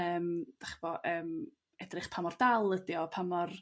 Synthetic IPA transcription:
əːmd̥aχbɔʔəːm | ɛdrɪχpʰamɔrdalˠədjɔpʰamɔr

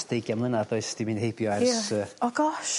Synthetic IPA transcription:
d̥ejɡjamlˠənadɔɨsd̥imɨnhejbjɔɛrsəɔɡɔʃ

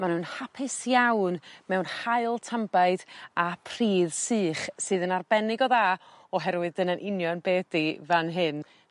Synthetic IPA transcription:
manhunhapʰɪsjawnmɛwnhaɨlˠtʰambaɨdapʰr̥iːðsɨːχsɨːðənarbɛnɪɡɔða | ɔɦɛɾwɨðənənʔɪnjɔnbeːdivanɦɨn

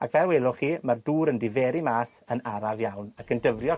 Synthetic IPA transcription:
a̰kvɛlwelˠʊχiːmarduːɾəndɪvɛːɾimaːsənaɾavjawnakʰəndəvrjɔ

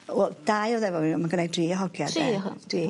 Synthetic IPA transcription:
wɛd̥ajɔwðɛvɔimaɡənajdriːɔɦɔɡjadɛ̥i

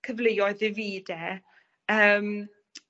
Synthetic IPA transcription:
kʰəvlejɔɨðɪviːdɛ | əːm

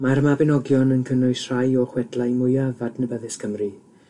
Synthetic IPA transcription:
maɾmabɪnɔɡjɔnənkʰənʊɨsr̥ajɔχwɛdlajmʊjavadnəbəðɪskəmri

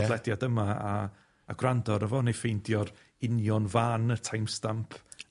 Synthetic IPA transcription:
lˠɛdjadəmaa̰ː | ɡwrandɔɾəvɔnejfejndjɔr | ɪnjɔnvaːnətʰajmstampʰ

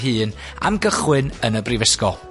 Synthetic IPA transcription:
ɦɨːn | a̰mɡəχwɪnənəbrivɪskɔ

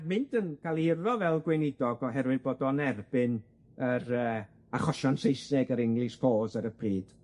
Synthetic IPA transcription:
mɪndənkʰalˠɪrɔvɛlˠɡwenɪdɔɡɔɦɛɾwɨðboːdɔnɛrbɪn | əɾəː | aχɔʃansejsnɛɡəɾɪŋlˠɨsfoːzəɾəpʰriːd̥

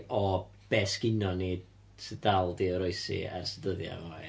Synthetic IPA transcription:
ɔ | b̥ɛsɡ̥ɪnɔniːd | sɛdalˠdiəɾoɨsḭa̰rsɛdəðja̰ma

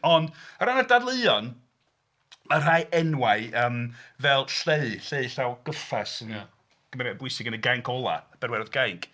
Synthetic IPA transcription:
ɔndəɾanadadlˠɨjɔn | ər̥ajʔɛnwaɨəːmvɛlˠɬeɨɬeɨɬawɡ̥əfasənə | ɡ̥əmɛɾɛbwʊɨsɪɡənəɡajŋkʰɔlˠa̰əb̥ɛrwɛrðɡ̥ajŋkʰ

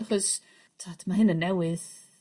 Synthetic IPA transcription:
χɔs | tʰatʰmaɦɪnənːɛwɪð

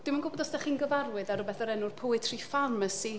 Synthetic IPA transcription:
d̥ɪmənɡʊbɔðɔsdɛχiːnɡəvarwɨðaɾʊbɛθəɾɛnʊrpʰʊwɨtʰrifarməsi

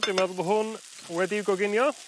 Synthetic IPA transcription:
dɪmaðˠbəɦʊn | wɛdiwɡɔɡɪnjɔ

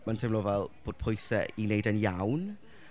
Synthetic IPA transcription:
mantʰɪmlɔvɛlˠb̥oːd̥̚pʰʊjsɛʔinejdənjawn

